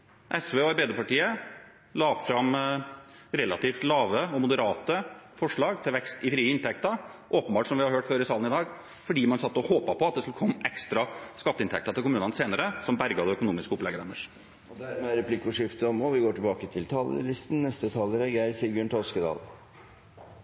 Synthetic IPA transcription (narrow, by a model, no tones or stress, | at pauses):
ʔɛsʋeːɔɑɾbed̪əpɑʈiːə | lɑːpfɾɑm | ɾɛlɑt̪iːft̪lɑːʋəɔmʊd̪əɾɑːt̪əfɔʂɭɑːɡt̪ʰɪlʋɛkst̪ɪfɾiːəɪnt̪ʰɛkt̪əɾʔoːpənbɑːʈʂɔmʋɪhɑɾhøːʈføːɾɪsɑːlnɪd̪ɑːɡ | fɔɖiːmɑnsɑt̪ːɔhoːpɑpʰɔɑt̪̚d̪ɛskʉlkʰɔmːʔɛkst̪ɾɑskɑt̪ːəɪnʰɛkt̪əɾt̪ɪlkʊmʉːnənəseːnəɾəsɔmbæɾɡɑd̪ɛœkʊnuːmɪskəʊplɛɡəd̪ænəʂ | ɔd̪æɾmɛæɾɛpʰlɪkːʊʂɪft̪əɔmoːʋɪɡoːʈɪbɑːkət̪ʰɪlt̪ʰɑːlə̰lɪst̪n̩nɛst̪ət̪ʰɑːləɾɛɡæɾsiɡjʉɳʈ̪ʰɔlskəd̪ɑ̰ːl